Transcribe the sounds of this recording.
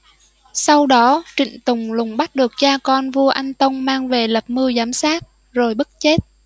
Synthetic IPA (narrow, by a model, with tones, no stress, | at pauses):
sa˧wɗɔ˨˦t͡ɕḭ̈˧˨ŋ̟t̪ʊ˨˩ŋ͡mlʊ˨˩ŋ͡mɓa˦˥t̚ɗɨ˨˩ək̚t͡ɕaː˧kɔ˧nvu˧əʔa˧jŋ̟t̪ə˧wŋ͡mmaː˧ŋve˨˩lə˨˩p̚mɨ˧əzaː˨˦msaː˦˥t̚ | zo˨˩jɓə˦˥t̚t͡ɕe˦˥t̚